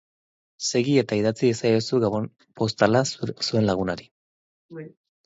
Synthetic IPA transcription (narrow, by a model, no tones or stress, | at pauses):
se̞ɣie̞t̪aiðat͡siesajosuɣaβon | po̞st̪alasue̞nlaɣ̞unaɾi